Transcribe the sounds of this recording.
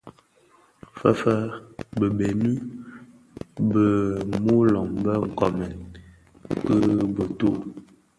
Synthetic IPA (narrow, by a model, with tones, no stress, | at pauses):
fə˦fə˦bə˨be˨nʉ˦ | bə˨mu˦lɔ˨ŋbə˦ŋ̩˨kɔ˨mɛ˨n | kə˦bə˨to˦˨